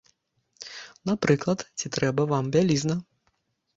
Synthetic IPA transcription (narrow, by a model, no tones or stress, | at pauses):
napɾɨklˠɐt̪t͡sʲit̪ɾɛbɐvambʲalʲiznɐ